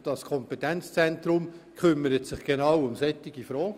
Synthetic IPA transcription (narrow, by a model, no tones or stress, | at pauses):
d̥ɑskʰɔmpetɛnt͡st͡sɛnt̪ɾʊmkʰχʏmːəɾətsɪχɡ̥enɑwʊmsɛtːɪɡ̥ifɾɔːɡ